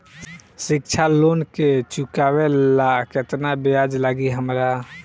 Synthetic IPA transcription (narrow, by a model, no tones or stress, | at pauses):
sɪk̚t͡ʃʰalonket͡ʃukawelaket̪nabead͡ʒlaɡiɦəmɾa